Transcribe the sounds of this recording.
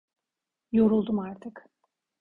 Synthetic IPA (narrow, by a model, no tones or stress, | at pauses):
jo̞ɾulˠd̪umaɾt̪ʰɯk